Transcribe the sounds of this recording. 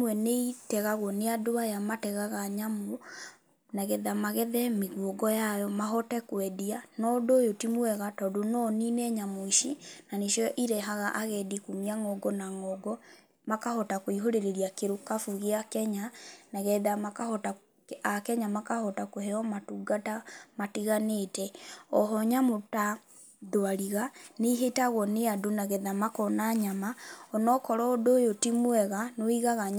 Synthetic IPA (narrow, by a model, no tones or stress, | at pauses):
mwɛneitɛɣaɣwɔneadoajamatɛɣaɣaɲamo | naɣɛðamaɣɛðɛmeɣwɔɡɔjajɔmaɦɔtɛkwɛdianɔdojotimwɛɣatɔdonɔninɛɲamoiʃinaneʃjɔɔʔiɾɛɦaɣaʔaɣɛdikumiaŋɔɡɔnaŋɔɡɔ | makahɔtakoiɦoɾeɾeɾiakeɾokafuɣeakɛɲanaɣɛðamakahɔta | akɛɲamakahɔtakohɛɔmatuɡatamatiɣanetɛɔɦɔɲamota | ðoaɾiɣaneiɦetaɣɔneadonaɣɛðamakɔnaɲamaɔnɔkɔɾɔdojotimwɛɣanoiɣaɣa